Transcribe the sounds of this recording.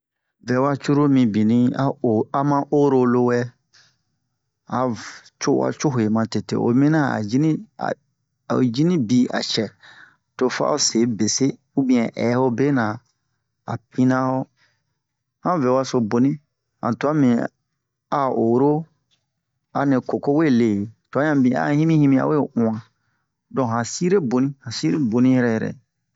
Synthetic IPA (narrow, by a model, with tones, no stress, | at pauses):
vɛ˨wa˧t͡ʃu˦ɾo˦mĩ˧bi˨nĩ˧a˦˨a˨mã˦ʔo˦ɾo˧lo˧wɛ˦ | a˨t͡ʃo˦wa̰˧˨t͡ʃo˦ɦo˨e˨mã˨te˨tḛ˨o̰˨mĩ˦nã˦a̰˨d͡ʒi˦nĩ˦a̰˨ | d͡ʒi˦nĩ˦bi˧˦a̰˨t͡ʃɛ˨ | to˧fa̰˦o˦˨se˨˦be˨se˦ | u˦bĩ˧ɛ̃˨ʔɛ̰˨˦ho˦be˦nã˨ | a̰˨p̚ĩ˦nã˦ho˦ | hã˦ve˨wa˦so˨bo˨nĩ˦ | hã̰˨tu˨˦a˦mĩ˨ | a˨o˨ɾo˦ | a˨nẽ˨ko˨ko˦we˦˨le˨tu˨ã˦ã˨bĩ˨a̰˦˨hĩ˦mĩ˦hĩ˦mĩ˦a̰˨we˦ʔũ˨ã˨ | dɔ̃˨ɦã˨si˦ɾe˦bo˨nĩ˦hã˨si˦ɾe˦bo˨nĩ˦jɛ˦ɾɛ˦jɛ˨ɾɛ̰˨